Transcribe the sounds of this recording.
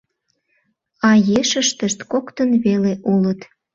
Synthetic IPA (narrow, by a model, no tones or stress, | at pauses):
ɑjeʃəʃt̪əʃt̪kokt̪ənβeleʔulət̪